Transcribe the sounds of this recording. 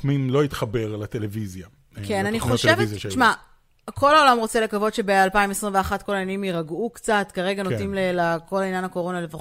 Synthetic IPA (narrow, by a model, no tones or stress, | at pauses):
minlo̞it̪χabe̞ʁlat̪elevizja | kenaniχoʃvezʃma | kʰo̞laolamʁo̞t͡se̞lekavo̞dʃebealpaimesʁimveaχat̚ko̞lajanimjiʁaɡukt͡sat̪kaʁe̞ɡano̞timlelako̞lainjanako̞ʁo̞nalefa